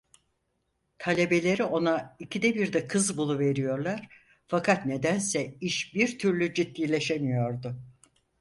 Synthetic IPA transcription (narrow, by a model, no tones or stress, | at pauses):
t̪ʰalʲe̞be̞lʲe̞ɾio̞naicʰid̪ɛbiɾd̪ɛkʰɯzbulˠuve̞ɾijo̞ɾlˠaɾ̥ | fakʰat̪ne̞d̪ænsɛiʃbiɾt̪ʰyɾlʲyd͡ʒit̪ːʲijlʲe̞ʃe̞mijo̞ɾd̪ʊ